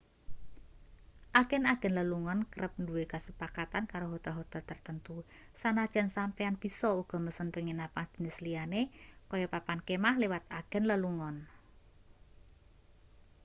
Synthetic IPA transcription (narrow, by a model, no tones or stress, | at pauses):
ʔaɡ̥ɛ̤naɡ̥ɛ̤nləluŋɔnkəɾəp̚nduwekasəpakat̪ankaɾoɦot̪aɦot̪əlt̪ərt̪ənt̪u | sanad̥ʒ̥a̤nsampeanb̥i̤sɔuɡ̥ɔ̤məsənpəŋinapahd̪̥i̤nəslianekɔjɔpapankemahlewat̪̚aɡ̥ɛ̤nləluŋɔn